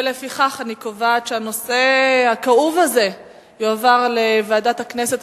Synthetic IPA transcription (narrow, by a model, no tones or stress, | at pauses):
lefiχaχanikovaːtʃeano̞se̞hakauvaze̞ | joavaʁleveadathaknese̞t